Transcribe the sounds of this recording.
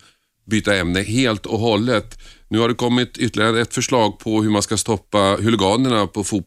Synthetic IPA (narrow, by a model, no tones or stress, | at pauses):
byːt̪aɛmnəheːlt̪ɔɦɔlːət̪nʉ̟ːhaɖɛkɔmːɪt̪ʏt̪ːəlɪɡəənɛt̪fœʂɭɑːɡ̚pʰɔhɵɾmanskast̪ɔpːahɵlɪɡɑːnəɳapʰɔfuː